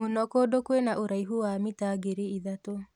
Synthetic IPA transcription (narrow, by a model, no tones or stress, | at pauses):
onɔkodokwenaʔoɾaiɦuwamitaɡeɾeiðato